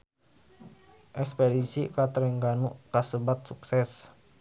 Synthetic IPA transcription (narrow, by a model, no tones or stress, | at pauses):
ʔɛkspedisikat̪əɾɛŋɡanuʔt̪asəbat̪̚suksɛs